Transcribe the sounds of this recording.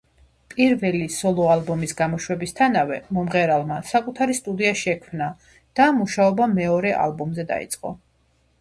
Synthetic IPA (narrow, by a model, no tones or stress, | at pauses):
pʼiɾvɛlisɔlˠɔalˠbɔmisɡamɔʃwɛbist̪ʰanavɛmɔmʁɛɾalˠmasakʼut̪ʰaɾist̪ʼud̪iaʃɛkʰmna | d̪̥amuʃaɔbamɛɔɾɛʔa̰lˠbɔmzɛd̪a̰ḭt̪sʼqʼɔ̰